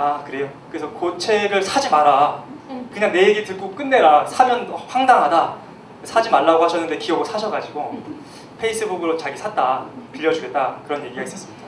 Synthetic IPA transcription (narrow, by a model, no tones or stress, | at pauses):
akɯɾe̞jokɯɾe̞sʰʌkot͡ɕʰe̞ɡɯɭsʰad͡ʑimaɾa | kɯɲaŋne̞eɡitɯɭk͈ok͈ɯnːe̞ɾasʰamjʌnɸwaŋdaŋɦada | esʰad͡ʑimaɭːaɡohaɕʰʌnːɯnde̞kiʌɡɯɭsʰaɕʰʌɡad͡ʑiɡo | pʰeis͈ʰɯbuɡɯɾot͡ɕaɡisʰat̚t͈apiʎːʌd͡ʑuɡe̞t̚t͈akɯɾʌnje̞ɡiɡais͈ʌs͈ɯmid̥aa